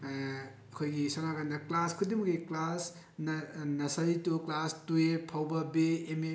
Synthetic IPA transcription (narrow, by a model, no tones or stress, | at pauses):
ɐkʰojɡisonaɡandɐklaskʰudimɐɡiklas | nɐnɐsaɾituklastuepʰawbɐbeːme